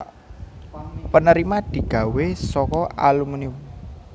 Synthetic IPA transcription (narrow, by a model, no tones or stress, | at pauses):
pənəɾimad̪̥i̤ɡ̥ä̤wesɔkɔalumunium